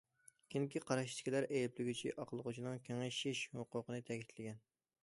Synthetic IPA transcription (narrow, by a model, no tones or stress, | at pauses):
kʲʰiŋkʲʰiqɑɾɑʃt̪ɪ̥kʲilæɾejiplɪɡʲyt͡ʃʰḭʔɑqlˠəʁʊt͡ʃʰinɨŋkʲʰeŋɪʃɪʃhoqʊqənɨt̪ʰɛkʲʰi̥t̪ʰlɪɡʲɛn